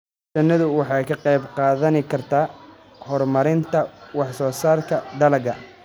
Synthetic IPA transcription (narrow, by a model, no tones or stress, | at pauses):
t͡ʃɐnːɐðʊwɑħɑjkʰɐqɑjbqɑːðɐnɪkʰɐrt̪ʰaː | hɔrmɐɾɪnt̪ʰɐwɑħsɔːsaːrkʰɐd̪ɐlɐɡɐ̰